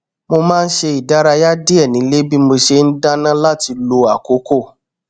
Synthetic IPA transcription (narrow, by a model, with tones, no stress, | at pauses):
mo˧mãː˦˧n̩˦ʃe˧i˨da˦ɾa˧ja˦di˦ɛ˦˨nĩ˨˦le˦bi˦mo˧ʃe˧n̩˦da˦nã˦la˦ti˧lo˧a˦˨ko˨˦ko˦˨